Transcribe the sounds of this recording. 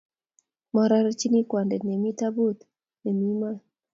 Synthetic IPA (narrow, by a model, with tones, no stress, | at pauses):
mɔ˨ɾa˦ɾa˦t͡ʃi˦ni˦kwa˨ndɛ˨nɛ˨mi˦ta˦bu˦t̪ | nɛ˨mi˦ma˦